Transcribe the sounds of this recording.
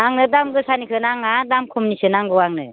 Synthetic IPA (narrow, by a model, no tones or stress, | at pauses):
aŋnɯdamɡɯsanikʰɯnaŋadamkʰumnisɯnaŋɡɯwaŋnɯ̰